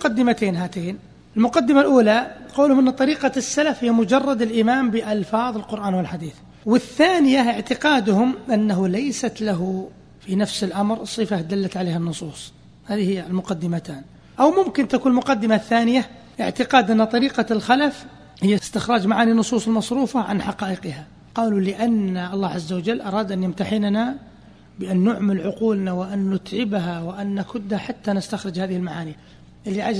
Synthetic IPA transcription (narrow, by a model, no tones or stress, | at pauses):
qɑd̪ːɪmat̪eːnɦat̪eːn | ɪlmʊqad̪ːɪmalʔuːlaqɑwlhʊmʔɪnːt̪ˤːɑɾiːqɑsːalafhɪjːamʊd͡ʒɑrˤːɑd̪ɪlʔɪmaːmbɪʔɑlfɑːðˤɪlqʊɾʔaːnwɪlħad̪iːθ | wɪθːaːnɪjaʔɪʕt̪ɪqɑːd̪ʊhʊmʔɪnːaɦulajsat̪laɦu | finafsɪlʔamɾsˤːɨfad̪alːat̪ʕaleːhanːʊsˤuːsˤ | haːðihɪjːalmʊqad̪ːɪmat̪aːn | ʔawmʊmkɪnt̪akuːnlmʊqɑd̪ːɪmaθːaːnɪja | ʔɪ̰ʕt̪ɪqɑːd̪ʔɪnːat̪ˤɑɾiːqɑlxalaf | hɪjːast̪ɪxɾˤɑːd͡ʒmaʕaːninːʊsˤuːsˤɪlmɑsˤɾuːfɑʕa̰nħɑqɑːʔɪqha | qɑːlulɪʔanːaʔɑlˤːɑːʕazːawad͡ʒalːʔɑɾˤɑːd̪ʔanjamt̪aħɪnna | bɪʔanːʊʕmalʕʊquːlnawɪʔanːʊt̪ʕɪbɦawɪʔanːakʊd̪ːhaħat̪ːanɪst̪axɾɪd͡ʒhaːðɪhɪlmaʕaːni | ʔɪlːiʕad͡ʒ